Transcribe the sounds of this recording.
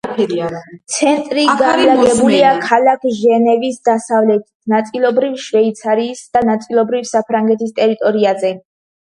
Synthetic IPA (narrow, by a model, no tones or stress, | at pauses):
t̪sʰɛnt̪ʼɾiɡaɾlaɡɛbuliakʰalakʰʒɛnɛvisd̪asavlɛt̪ʰi̥t̪ʰnat̪sʼilˠɔbɾivʃvɛit̪sʰaɾiːsd̪̥anat̪sʼilˠɔbɾifsapʰɾaŋɡɛt̪ʰist̪ʼɛɾit̪ʼɔɾiazɛ